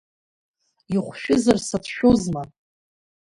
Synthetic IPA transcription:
iχʷʃᶣʊzarsatʰʃᶣozma

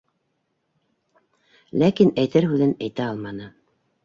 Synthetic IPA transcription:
lækinæjt̪ɘɾhʉðɘnæjt̪æɑlˠmɑnɤ

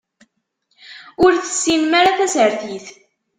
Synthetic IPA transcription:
ʊɾθə̥sːimmaɾaθæsəɾθiθ

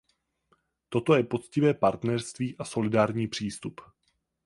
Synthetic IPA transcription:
t̪o̞t̪o̞jɛpo̞t͡scɪvɛːpaɾt̪nɛrst̪viːʔaso̞lɪdaːɾɲiːpr̥iːst̪up

